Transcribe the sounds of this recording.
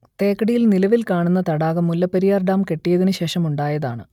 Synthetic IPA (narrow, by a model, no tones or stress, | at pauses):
t̪e̞ːkːɐɽijilnilɐʋilkaːɳunːɐt̪ɐɽaːɣɐmːulːɐpːɐɾijaːrɖaːmke̞ʈːijɐðinɨɕe̞ːʂɐmuɳɖaːjɐðaːɳɨ